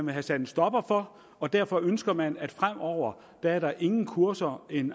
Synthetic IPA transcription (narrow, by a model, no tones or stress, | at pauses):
nʋeɦæsæd̥n̩sd̥ɒ̽b̥ɐfɒ̽ | ɒ̽d̥æɐ̰fɒ̽ønsɡ̥ɐmænæd̥fʁam̰ɒʊ̰ɐ | d̥ææɐɾɑ̈ʔe̝ŋn̩kʰuɐsɐe̝n